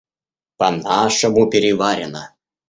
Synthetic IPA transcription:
pɐnaʂəmupʲɪɾʲɪvaɾʲɪnə

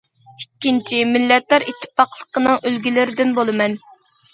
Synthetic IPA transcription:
ikʲːint͡ʃʰimɪlːɛt̪lɑɾit̪ʰːɪ̥pɑqlˠəqʰənɨŋølɡʲilɪɾɪd̪ɪnbolˠɨmɛn

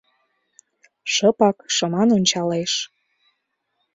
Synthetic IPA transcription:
ʃɤpɑkʃɤ̆mɑnonʲt͡ɕɑleʃ

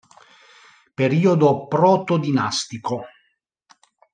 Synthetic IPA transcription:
peɾiːod̪opɾɔt̪od̪ina̰st̪iko

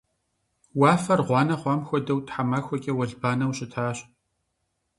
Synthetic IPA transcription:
wɑːfɐrʁʷɑːnɐχʷɑːmxʷɔdɐwtħamaːxʷɔkʲʼɛwɐɮbaːnɐwɕʼɪtʰaːɕ

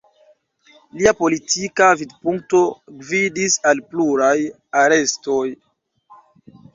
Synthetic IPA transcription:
liapo̞litikavidpuŋk̚to̞ɡvidisalpluɾaj | aɾesto̞j

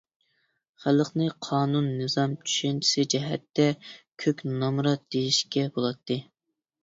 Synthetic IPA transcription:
χæləqnɨqʰɑːnunːɨzɑmt͡ʃʰy̥ʃɛnt͡ʃʰi̥sɪd͡ʒɛɦɛt̪ːɛkʲʰøkʲnɑmɾɑd̪̥ejiʃkʲɛbolˠɑt̪ʰːɨ

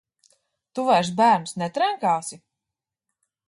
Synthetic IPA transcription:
t̪uvaɾs̬bæːɾnsnɛt̪ɾaŋkaːsi

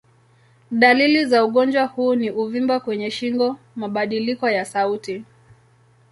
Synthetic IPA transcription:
ɗalilizauɠɔnd͡ʒwahuːniʔuvimbakwɛɲɛʃiŋɡɔ | maɓaɗilikɔjasauti

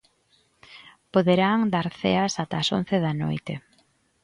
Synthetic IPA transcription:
poðeɾaŋd̪aɾθḛɐsat̪aːso̰n̟θeðano̰jt̪e

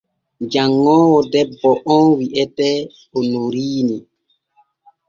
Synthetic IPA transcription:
d͡ʒaŋːɔːwɔdɛbːɔʔɔnwiʔɛtɛ | ɔnuɾiːni

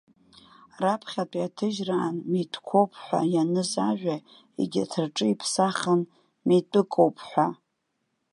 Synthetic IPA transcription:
rapʰχʲatʼiatʰɨʒraːnmitʼkʷʰowpʰħʷa̰janɨzaʒʷᶣa | ḛɡʲatʰɨrʈ͡ʂʼɨipʰsaχən | mitʼɨkʼowpʰħʷa

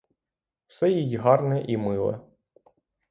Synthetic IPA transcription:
wsɛjijiɦɑrnɛʔimɪlˠɛ̰

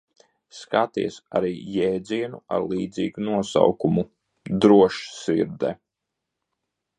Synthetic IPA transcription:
skat̪iɛsa̰ɾiːjɛːd̪ziɛnṵa̰ɾlˠiːd̪zḭːɡunuɔsa̰wkumu | d̪ɾuɔʃsiɾd̪ɛ

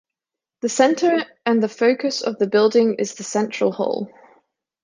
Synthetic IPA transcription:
ðəsɛ̃ntʰəɹ | ə̃nðəfəʊkʰəsə̰vðəbɪlˠdɪ̃ŋɪ̰zðəsɛ̃nt͡ʃɹ̥əlˠhɔ̰ʊlˠ

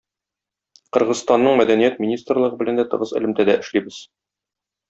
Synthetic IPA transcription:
qɤ̆ɾʁɤ̆zst̪ɑnːɤɴmæd̪ænijæt̪̚mʲinʲist̪rlˠɤ̆ʁɤbɘ̆lænd̪æt̪ɤ̆ʁɤzɘ̰̆lɘ̆mt̪æd̪æʔɘ̆ʃlibɘz̥

